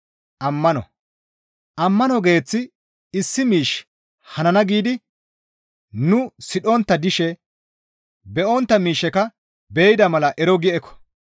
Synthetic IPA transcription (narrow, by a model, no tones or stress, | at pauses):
ʔɐmːɐnɔ̰ | ʔɐmːɐnɔɡe̞ːt͡sːɪ | ɪsːɪmiːʃ | hɐnɐnɐɡiːd̪ɪ | nʊsɪɗɔnt̪ːɐd̪ɪʃɛ | bɛʔɔnt̪ːɐmiːʃɛkɐ | bɛːjɪd̪ɐmɐlɐʔɛɾɔɡɪʔɛkːɔ̥